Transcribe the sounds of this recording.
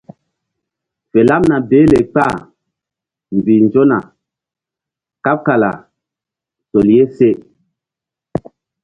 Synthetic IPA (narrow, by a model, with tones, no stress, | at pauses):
fe˨la˦mna˨beː˨˦le˨k͡pa˦˨ | m˨bi˨nd͡ʒo˦na̰˨ | ka˦p̚ka˨la̰˨ | so˨lje˦se˦˨